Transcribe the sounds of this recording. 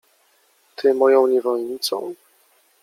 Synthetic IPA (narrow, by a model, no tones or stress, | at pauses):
t̪ʰɘmɔjɔ̃w̃ɲɛvɔlɲit̪sɔ̰̃w̃